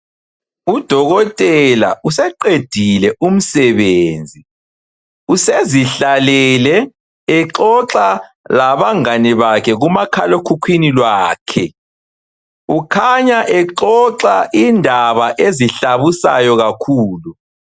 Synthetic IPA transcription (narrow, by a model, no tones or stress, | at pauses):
ud̥ʱɔɣɔtʼɛla̰ʔusɛǃed̥ʱilɛʔum̩sɛβeːnd͡zʱi | useziɬalɛlɛː | ǁɔǁa | laβaŋaniβakʰɛɣumakʰalokʰukʰwinilwaːkʰɛ | ukʰaɲaʔɛǁɔǁaʔindʱaβaʔeziɬaβusa̰jɔɣakʰuːlu